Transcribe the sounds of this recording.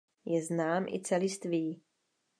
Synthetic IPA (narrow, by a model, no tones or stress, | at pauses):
jɛznaːmʔɪ̰t͡sɛlɪst̪viː